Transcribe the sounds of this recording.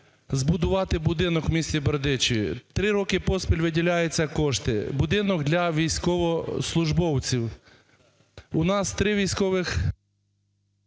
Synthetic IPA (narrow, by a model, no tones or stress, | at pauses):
zbʊd̪ʊʋɑt̪ɪbʊd̪ɪnɔkwmʲisʲt͡sʲibeɾd̪ɪt͡ʃɪḭt̪ɾɪɾɔkɪpɔspʲilʲʋɪdʲilʲajet͡sʲːɐkɔʃt̪ɪ̰bʊd̪ɪnɔɡd̪lʲɐʋʲijsʲkɔʋɔslˠʊʒbɔwt͡sʲiw | ʊnɑst̪ɾɪʋʲijsʲkɔʋɪx